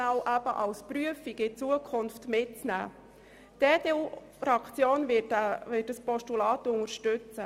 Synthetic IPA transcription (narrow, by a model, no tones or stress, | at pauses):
awʔæbəʔɑlspɾyəfiɡɪt͡suəkʰʊnftmɪt̚t͡snæ̰ː | d̥eːdeu | fɾɑkt͡sjoːnvɪvɪːt̚d̥əspɔʃtulɑːtʊŋəɾʃtʏt͡sə